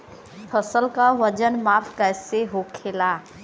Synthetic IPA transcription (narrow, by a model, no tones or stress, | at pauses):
pʰəsəlkaʋəd͡ʒənmaːpʰkɛːseɦoːkʰeːlaː